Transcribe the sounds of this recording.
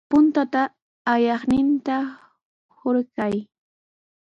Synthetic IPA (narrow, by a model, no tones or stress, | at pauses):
pʊnt̪at̪aː | jɑχnɪnt̪a | hoɾɢaj